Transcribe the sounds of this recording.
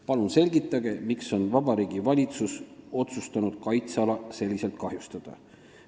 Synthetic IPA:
pɑlunse̞lʲɡit̪ːˑɑɡ̥e̞mikso̞nvɑbɑɾiːɡivɑlʲit̪suso̞t̪sust̪ɑnud̪̥̚kɑjt̪seɑlɑse̞lʲːise̞lt̪̚kɑɦjust̪ɑd̪̥ɑ̰

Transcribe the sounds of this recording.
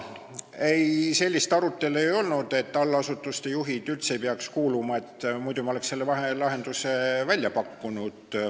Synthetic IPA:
e̞jse̞lʲːist̪ɑɾut̪ːˑe̞le̞jo̞lnud̪e̞t̪ːɑlːɑsut̪ːˑust̪e̞juɦid̪̥ylt̪se̞jpeɑkskuːlumɑe̞t̪ːˑmujd̪̥umo̞lekse̞lːeɑɦelɑɦe̞nd̪̥use̞vælʲjɑpɑkːunud̪̥

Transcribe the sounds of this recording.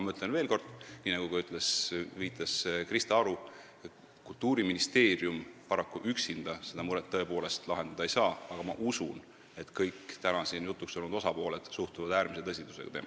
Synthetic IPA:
mɑmət̪ˑlenve̞ːlko̞rd̪̥niːnɑɡuɡɑyt̪ːˑle̞sviːt̪ːˑɑskrist̪ɑɑɾu | kult̪ːuːɾiminist̪e̞ːrjumpɑɾɑkːuʔyksind̪̥ɑse̞d̪ɑmuɾɛt̪ːɤe̞po̞ːle̞st̪lɑɦe̞nd̪̥ɑd̪ɑejsɑːɑɡ̥ɑmɑʔusun | e̞t̪kɤjkːt̪ænɑsinjut̪ːˑuksolnud̪o̞sɑpo̞ːle̞d̪̥suht̪uvɑd̪æːɾmis̬et̪ɤsʲid̪u̥seɡ̥ɑt̪emɑ

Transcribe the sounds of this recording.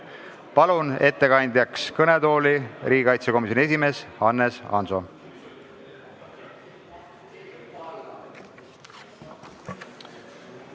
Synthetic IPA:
pɑlune̞t̪ːe̞kɑjnd̪̥ʲjɑkskɤne̞d̪o̞ːliɾiːɡikɑjt̪seko̞mis̬jonie̞sime̞ːsɑnːe̞sɑ̰nso

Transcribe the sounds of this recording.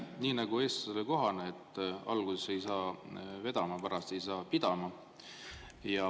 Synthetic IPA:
niːnɑɡ̥ue̞ːst̪selːeko̞ɦɑneet̪ːɑ̰lɡ̥usese̞jsɑːve̞d̪̥ɑmɑpæɾɑst̪e̞jsɑːpid̪̥ɑmɑ | jɑ

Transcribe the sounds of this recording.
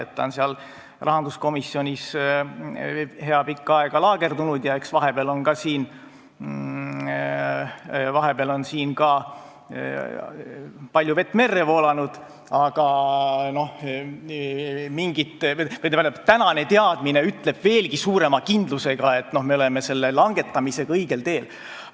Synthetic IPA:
et̪ːˑɑ̰nseɑl | rʔɑɦɑnd̪usko̞misːio̞nʲis | he̞ɑpikːɑe̞ɡ̥ɑlɑːɡ̥e̞rd̪unud̪̥jɑe̞ksvɑɦe̞b̥eɑlo̞nɡɑsiːn | vɑɦe̞beɑlonsiːnkɑː | pɑlʲjuve̞t̪ːˑme̞rːevo̞lɑnud̪̥ | ɑɡ̥ɑno̞h | miŋɡit̪t̪pænt̪ːænɑne̞t̪e̞ɑd̪̥mine̞yt̪ˑle̞b̥ve̞ːlɡisuːɾe̞mɑkind̪̥luse̞ɡ̥ɑe̞t̪ːno̞hme̞ole̞me̞se̞lːe̞lɑŋɡ̥e̞t̪ːˑɑmise̞kɤjɡ̥e̞lt̪e̞ːl

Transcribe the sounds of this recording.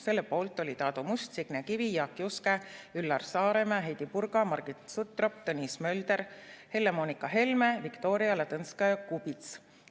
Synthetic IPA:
se̞lːepo̞ːlt̪ːˑo̞lʲit̪ɑːd̪umust̪siɡnekivijɑːkːjuskeylːɑrsɑːɾe̞mɑɦejd̪ipurɡɑmɑrɡ̥it̪sut̪ːˑrop̚t̪ɤnʲismøld̪e̞ɾhe̞lːemonikːˑɑɦe̞lmevikt̪o̞ːɾiɑlet̪ɤnskɑjɑkubit̪s

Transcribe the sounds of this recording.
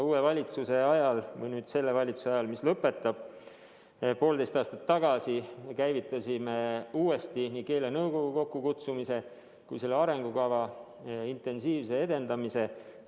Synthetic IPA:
uːe̞vɑlʲit̪suse̞ɑjɑlvɤjnyːd̪̥se̞lːe̞vɑlʲit̪su̥seɑjɑlmislɤpːˑe̞t̪ːˑɑb̥ | po̞ːld̪est̪ɑːst̪ɑ̥t̪ːɑɡ̥ɑsikæjvit̪ːˑɑsimeuːe̞st̪inike̞ːle̞nɤwko̞ɡ̥uko̞kːukut̪sumise̞ | kṵjse̞lːeɑɾe̞ŋɡ̥ukɑvɑ | int̪ˑe̞nsiːvse̞ed̪e̞nd̪ɑmise̞

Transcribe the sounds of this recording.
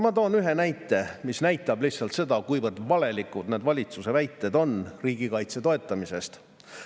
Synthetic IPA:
mɑt̪o̞ːnyɦe̞næjt̪ːˑe̞misnæjt̪ːˑɑb̥lihsɑlt̪se̞d̪ɑkujvərd̪̥vɑle̞likːˑud̪̥ned̪vɑlʲit̪suse̞væjt̪ːˑe̞d̪o̞nriːɡ̥ikɑjt̪se̞t̪o̞e̞t̪ːˑɑmise̞st̪

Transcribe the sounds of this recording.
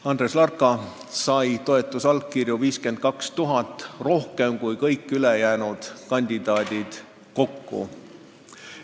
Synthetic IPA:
ɑnd̪ɾeslɑrkːˑɑ | sɑjt̪o̞e̞t̪ːˑusɑlkirjuviːske̞nd̪̥̚kɑkst̪uɦɑt̪ːˑro̞hke̞mkujkɤ̞jkːˑylejæːnud̪̥kɑnʲd̪̥ʲid̪̥ɑːd̪̥ʲid̪̥ | ko̞kːṵ

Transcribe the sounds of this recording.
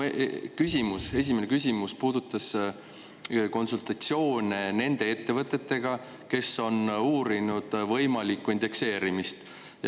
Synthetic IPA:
kysʲimuse̞s̬ʲime̞ne̞kys̬ʲimuspuːd̪̥ut̪ːˑɑs | ko̞nsult̪ɑt̪sio̞ːnene̞nd̪e̞et̪ːevɤt̪ːˑe̞t̪ːe̞ɡ̥ɑ | ke̞sːo̞nuːɾinud̪̥vɤ̞jmɑlikːuind̪̥e̞kse̞ːɾimist̪ | j

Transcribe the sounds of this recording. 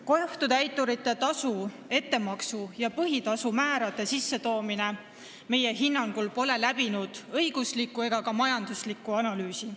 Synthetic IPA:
ko̞joht̪ud̪æjt̪ːˑuɾit̪ːˑe̞t̪ɑsu | e̞t̪ːe̞mɑksujɑpɤɦit̪ɑsumæːɾɑt̪ːˑe̞sisːe̞t̪o̞ːmine̞ | me̞je̞ɦinːɑŋɡ̥ulpo̞le̞læb̥inud̪̥ɤjɡ̥uslikːˑue̞ɡ̥ɑkɑmɑjɑnd̪̥uslikːˑuɑnɑlyːsi

